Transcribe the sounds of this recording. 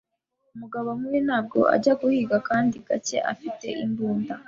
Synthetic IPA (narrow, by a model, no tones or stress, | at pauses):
umuɡaβomuinaːb̚ɡo̞̰ʔa̰ɟaɡuhiːɡakaːndiɡ̥ace̞̰ʔa̰fite̞̰ʔimbuːnda